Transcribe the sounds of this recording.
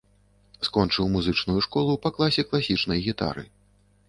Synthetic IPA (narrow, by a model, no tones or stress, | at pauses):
skɔnt͡ʂɨwmuzɨt͡ʂnujuʂkɔlˠupɐklˠasʲɛklˠasʲit͡ʂnɐjɣʲit̪a̰ɾɨ̰